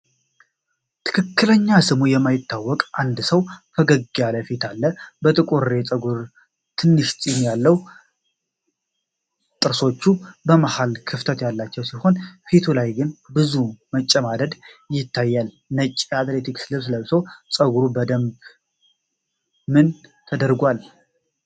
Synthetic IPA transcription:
t̪ʰɨ̥kʰɨkːɨləɲːasɨmujɛmːajɪt̪ːawːɔkʼand̪səwfʰəɡəɡialəfet̪ʰalːəbət̪ʼɨkʼuɾːet͡sʼəɡuɾ | t̪ʰɨnːɨʃsʼinjalːəwu | t̪ʼɨɾso̞t͡ʃːubəmahalkʰɨft̪ʰət̪jalːat͡ʃːɛwsiho̞nfet̪ʰulajɡɨnbɨzumət͡ʃʼːəmad̪əd̪jɪt̪ʰːajːal | nət͡ʃʼːeat̪let̪ʰikslɨβsɨləβsəwt͡sʼəɡuɾubəd̪əmb | mɨnt̪ʰəd̪əɾɡʷal

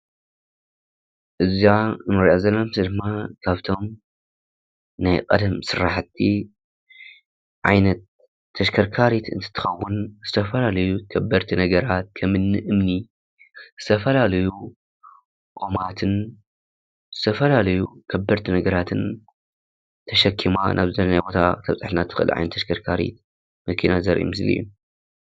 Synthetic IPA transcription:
ʔɨzjamɨɾʔazɐlɐmsid̪ɨmːakʰaβt̪ʰo̞m | najkʼɐ̰d̪ɐmsɨɾaħt̪ʰːi | ʕa̰jnɐt̪ʰː | ɐʃkʰɐɾkʰaɾit̪ɨ̰nt̪ʰɨ̥t̪ʰːɨ̥xɐwːʊnzɨt̪ʰɐfɐlalɐjukʰɐbːɐɾt̪ʰinɐɡɐɾat̪̚kʰɐmɨnːɨʔɨmni | z̥ɨt̪ʰɐfɐlalɐju | ʔo̞mat̪ʰɨn | zɨt̪ʰɐfɐlalɐjukʰɐbɐɾt̪ʰinɐɡɐɾat̪ʰɨn | t̪ʰɐʃɐkʰːimanʔa̰βzɨɐlnajbo̞t̪ʰa̰t̪ʰɐβt͡sʼɨħlnat̪ʰɨ̥xɨ̰lʕa̰jnɐt̪ʰːɐʃkʰɐɾkʰaɾḭt̪ | mɐkʰinazɐɾʔḭmɨslḭjːu

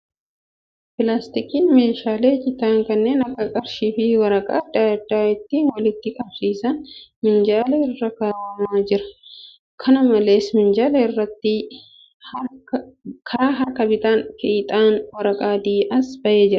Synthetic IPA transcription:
pɪlaːst̪ɪkiːnme̞ːʃaːle̞ːd͡ʒʼɪt̪aːŋkɐnːe̞ːnɐkːɐkʼɐɾʃiːfɪwɐɾɐkʼa̰ːd̪aːd̪aːɪt̪ːiːnwɐlɪt̪ːɪkʼɐbsiːsɐnmɪnd͡ʒaːlɐɪrːɐkɐɐmaːd͡ʒɪɾɐ̥ | kʰɐnʊmɐle̞ːsmɪnd͡ʒaːlɐɪrːɐt̪ːɪ | kʰɐɾaːɦɐɾkɐbɪt̪aːnkɪt̪ʼaːnwɐɾɐkʼaːd̪iːʔɐsbɐʔe̞ːd͡ʒɪɾɐ

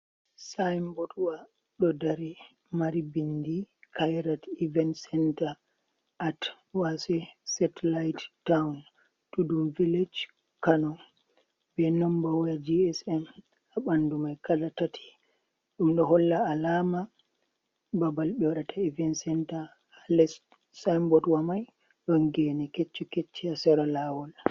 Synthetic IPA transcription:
sajmboɗuwa | ɗɔdaɾi | maɾibindikʰajɾativɛnsɛnta | ʔat | wasɛsɛtɛlajtːawn | tuduviled͡ʒ | kanɔ | bɛnɔmbawjad͡ʒiɛsɛm | aɓandumajkalatatʰi̥ | ɗumɗɔɦɔlːaːlaːma | babalɓɛwaɗatʰaivɛnsɛnta | halɛs | sambɔdwamaj | ɗɔŋɡɛnɛket͡ʃːɔket͡ʃːiasɛɾalawɔna

